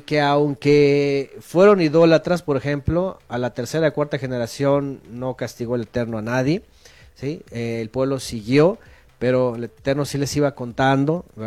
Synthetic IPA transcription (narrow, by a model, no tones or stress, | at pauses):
ke̞awŋke̞fwe̞ɾo̞niðo̞lat̪ɾaspo̞ɾexe̞mplo̞alat̪e̞ɾse̞ɾaikwaɾt̪axe̞ne̞ɾasjo̞nːo̞kast̪iɣo̞elet̪e̞ɾno̞anaðje̞ | sieːlpwe̞β̞lo̞siɣjo̞ | pe̞ɾo̞elet̪e̞ɾno̞sile̞siβako̞nt̪and̪o̞